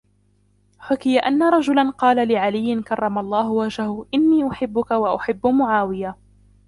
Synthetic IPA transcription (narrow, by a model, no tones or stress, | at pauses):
ħʊkɪjaʔanːaɾˤɑd͡ʒʊlanqɑːlalɪʕalɪjːɪnkɑrˤːɑmalˤːɑːɦʊwad͡ʒahʊʔɪnːiːʔʊħɪbːʊkawaʔʊħɪbːmʊʕaːwɪja